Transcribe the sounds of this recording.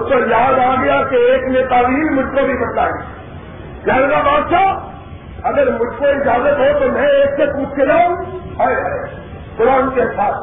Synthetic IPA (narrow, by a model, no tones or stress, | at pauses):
t̪ojaːd̪aːɡəjakeeːkneːt̪aːliimʊd͡ʒʱkobʱibɐʈ̪laːiː | d͡ʒɛɾnabãːt̪ʃa | ɐɡəɾmʊd͡ʒʱkoɪd͡ʒaːzət̪ɦot̪omɛ̃eːksepuːt͡ʃʰed͡ʒaːũɦɐjɦə | kʊɾaːnkeɦɪsaːt̪ʰ